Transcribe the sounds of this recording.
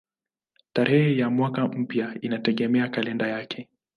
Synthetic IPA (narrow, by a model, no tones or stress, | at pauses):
taɾʔɛhɛjamwakam̩pjainatɛɠɛmɛakalɛndajakʰɛ